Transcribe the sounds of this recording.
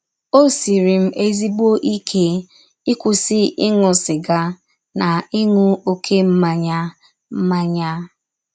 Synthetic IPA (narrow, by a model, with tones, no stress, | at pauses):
o˦si˨ɾi˨m̩˦ʔe˦zi˦bo˦ʔi˦kʰe˦ | i˦kʷʊ˨sɪ˦ɪ˦ŋʊ˨sɪ˨ɡa˨ | na˨ɪ˦ŋʊ˦o˦kʰe˦m̩˦ma˨ɲa˦ | m̩˦ma˦ɲa˦